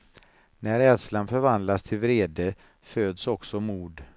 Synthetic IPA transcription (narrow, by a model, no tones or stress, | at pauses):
næɾɛd̪slanfœɾvand̪last̪ʰɪlvɾeːd̪ə | føːd̪sɔksɔmuːɖ̪